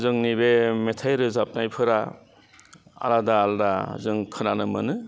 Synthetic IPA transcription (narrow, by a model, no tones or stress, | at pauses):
zɯŋnibemetʰajɾɯzap̚najpʰɯɾa | a̰ɾadaːldazɯŋkʰɯnanɯmɯnɯ